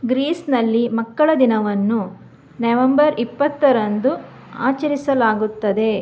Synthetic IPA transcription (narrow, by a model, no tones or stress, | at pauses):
ɡɾiːsnɐlːimɐkːɐɭɐd̪inɐʋɐnːu | nɐʋɐmbɐɾipːɐt̪ːɐɾɐnd̪u | a̰ːt͡ʃɐɾisɐlaːɡut̪ːɐd̪e̞